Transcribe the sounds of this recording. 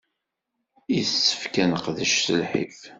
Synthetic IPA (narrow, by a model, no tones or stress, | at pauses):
iθsːə̥fkænəqðəʃsəlħḭf